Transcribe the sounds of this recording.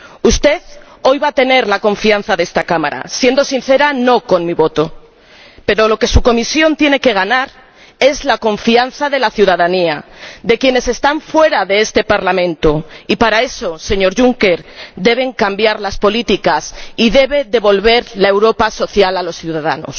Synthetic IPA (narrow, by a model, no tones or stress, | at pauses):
ust̪e̞ð | o̞jβat̪e̞ne̞ɾlakõ̞ɱfian̟θaðest̪akama̰ɾa̰sje̞nd̪osinθe̞ɾano̞ko̞nmiβo̞t̪o | pe̞ɾo̞lo̞ke̞suko̞misjo̞nt̪je̞ne̞ke̞ɣ̞anaɾ | e̞zlako̞ɱfianθaðe̞laθjuð̞aðaniaðe̞kje̞ne̞se̞st̪aɱfwe̞ɾaðe̞est̪e̞paɾlamẽ̞nt̪oipaɾae̞so̞se̞ɲo̞ɾʝuŋke̞ɾd̪e̞β̞e̞ŋkambjaɾlaspo̞lit̪ikasiðe̞β̞e̞ðe̞βo̞lβe̞ɾlae̞wɾo̞paso̞θjalalo̞sθjuðaða̰no̰s